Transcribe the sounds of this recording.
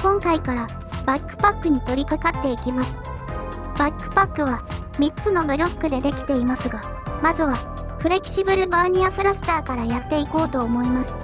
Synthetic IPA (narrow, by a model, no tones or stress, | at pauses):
kõ̞ŋkaikaɾa | bakːɯ̟̥pakːɯ̟ɲ̟it̪o̞ɾʲikakat̪ːe̞ikʲimasɨ̥ | b̥akːɯ̟̥pakːɯ̟βa | mʲit͡sɨno̞bɯ̟ɾʲo̞kːɯ̟d̪e̞d̪e̞kʲi̥t̪e̞imasɨɡa | mazɨβa | pɯ̟ɾe̞kʲi̥ɕibɯ̟ɾɯ̟baɲ̟iasɨɾasɨ̥t̪aːkaɾajat̪ːe̞iko̞ːt̪oːmo̞imasɨ̥